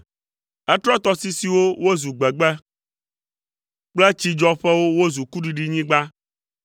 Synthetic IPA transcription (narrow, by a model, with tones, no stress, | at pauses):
ɛ˦t̪ɾɔ˦t̪ɔ˦si˦si˨wo˦wo˦zu˨ɡ͡bɛ˨ɡ͡bɛ˦ | k͡plɛ˦t͡ɕi˦d͡ʒɔ˦ɸɛ˦wo˦wo˦zu˨ku˦ɖi˨ɖi˦ɲĩ˦ɡ͡ba˦